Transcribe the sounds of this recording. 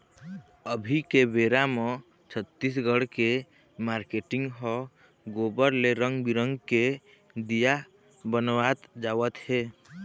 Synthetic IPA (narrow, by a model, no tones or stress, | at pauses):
əbʱikebeːɾamɔ̃ | t͡ʃʰət̪ːisɡəɽke | maɾkeʈɪ̃ŋɡɦɔ | ɡobəɾleɾə̃ŋɡbiɾə̃ŋɡke | d̪ija | bənʋat̪d͡ʒaːʋət̪ɦeː